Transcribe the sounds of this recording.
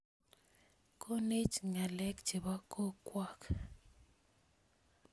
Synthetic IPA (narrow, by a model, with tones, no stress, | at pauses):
kʰo˦ne˦t͡ʃŋa˨lɛ˦kd͡ʒe˨ba˦kʰo˦kwa˦˨k